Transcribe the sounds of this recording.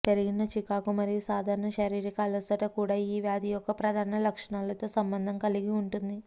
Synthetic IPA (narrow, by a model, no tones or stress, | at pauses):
t̪eɾiɡinɐt͡ʃikaːkumɐɾijusaːd̪ʱaːɾɐɳɐʃɐɾiːɾikaːlɐsɐʈɐkuːɽaːiːʋjaːd̪ijɔkːɐpɾɐd̪ʱaːɾɐɳɐlɐkʂɐɳaːlɐt̪o̞ːsɐmbɐnd̪ʱɐŋkɐliɡiuɳʈund̪i